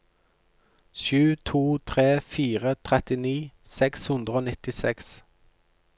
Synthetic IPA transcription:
ʃʉːt̪ʰuːt̪ʰʁeːfiːʁət̪ʰʁɛt̪ɪniːsɛkshʉnd̪ʁəoːnɪt̪ɪsɛks

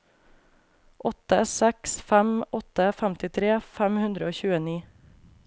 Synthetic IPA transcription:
ʔɔt̪əsɛksfæmɔt̪əfæmt̪ɪt̪ʰɾeːfæmhʉnd̪ɾəoːçʉːəniː

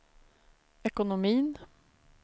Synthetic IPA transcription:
ɛkʊnʊmiːn

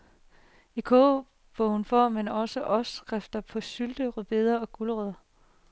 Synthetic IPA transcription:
ikʰo̰ː | b̥ɔʊnfɒ̰menɒ̽səʔɒ̽sɡ̥ʁafd̥ɐpʰɒ̽syld̥əʁyb̥e̝ðˠɐɒ̽ɡ̥uləʁøð̰ˠɐ

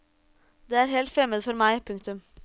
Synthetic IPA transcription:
d̪eːæːɾɦɛːlt̪fɾɛmːəd̪əfɔɾmæɪpʰʉŋk̚t̪ʉm

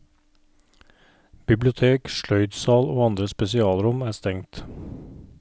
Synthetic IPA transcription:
b̥ɪblɪʊt̪ʰeːkʃlœʏd̪sɑːloːɑnd̪ɾəspɛsɪɑːlɾʊmæːst̪ɛŋt̪

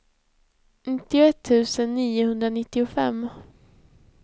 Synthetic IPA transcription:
nɪt̪ːɪʊɛt̪ʰːʉ̟ːsənːiːʊhɵnd̪ɾanɪt̪ːɪʊfɛ̰mː

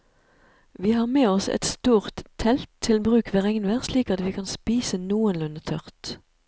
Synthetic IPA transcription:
ʋiːhɑːʁmeːɔsɛ̰t̪st̪uːʁt̪ʰɛlt̪ʰːɪlbʁʉːkʋəʁɛŋnʋæʁsliːkɑt̪ʋiːkʰɑnspiːsənuːənlʉnət̪ʰœʁt̪

